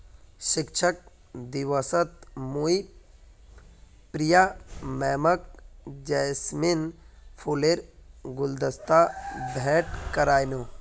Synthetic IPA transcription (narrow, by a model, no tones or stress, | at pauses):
ʃɪkt͡ʃʰək̚ | d̪iʋəsət̪mui | pɾijamɛːməkd͡ʒəjsminpʰuleɾɡʊld̪əst̪abʱɛːʈkəɾaːjnu